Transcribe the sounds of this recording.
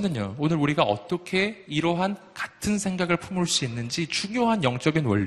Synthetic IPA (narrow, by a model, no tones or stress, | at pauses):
nɯɲo̰onɯɾuɾiɡaʌ̰t͈ʌkʰe̞iɾʌɦan | kḁtʰɯnsʰe̞ŋɡaɡɯɭpʰumuɭs͈uinːɯnd͡ʑit͡ɕuŋjoɦanjʌŋt͡ɕ͈ʌɡinwʌ̰ʎːi